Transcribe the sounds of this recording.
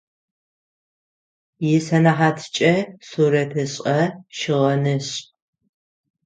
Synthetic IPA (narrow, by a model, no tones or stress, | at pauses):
jɪsɐnaħaːtʰt͡ʃʼɐsuːɾɐtʰɨɕʼɐʃɪʁɐnɨɕ